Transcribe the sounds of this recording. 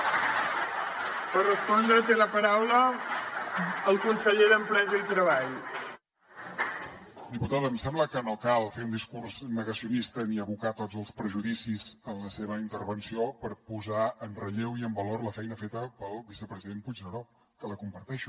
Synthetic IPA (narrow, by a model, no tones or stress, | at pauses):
pərəspɔnd̪ɾət̪eləpəɾawlə | lˠkunsəʎeðəmpɾɛzəit̪ɾəβaʎ | d̪iput̪aðəmsɛmbləkənokalˠfeund̪iskurznəɣəsiunist̪əniəβukat̪od͡zəlˠspɾəʒuðisizənləseβəint̪əɾβənsiopəɾpuzaənrəʎewiəmbəlorləfɛjnəfet̪əpəlˠβisəpɾəziðenput͡ʃnəɾo | kələkumpəɾt̪ɛʃu